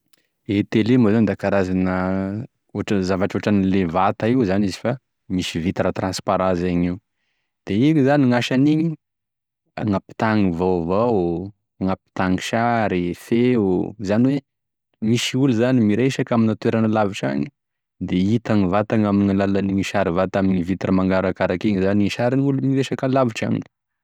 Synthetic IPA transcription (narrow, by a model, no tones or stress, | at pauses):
et̪elemazand̪akaɾazanə | oʈ͡ʂəzavaʈ͡ʂoʈ͡ʂanilevat̪aiwzanizifa | misivit̪ɾat̪rãnspaɾãnsaɲiw | d̪̥eiizaniŋaʃaniɲi | aŋapi̥t̪aŋivavaw | ŋapi̥t̪aŋiʃaɾifeuzaniwe | miʃiuluzanimiɾeʃakaminat̪weɾanəlaviʈ͡ʂa̰ɲi̥ | d̪eit̪aŋivat̪aŋaminiŋalalaniŋiʃaɾivat̪aminivit̪rəmaŋɡaɾakaɾakeɲizaniiʃaɾinulumiɾeʃakalaviʈ͡ʂa̰mḭni̥